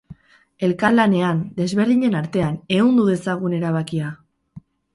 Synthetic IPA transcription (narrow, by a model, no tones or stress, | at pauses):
e̞lkalane̞and̪e̞zβe̞ɾðiɲe̞naɾt̪e̞ane̞und̪uðe̞saɣ̞une̞ɾaβ̞akia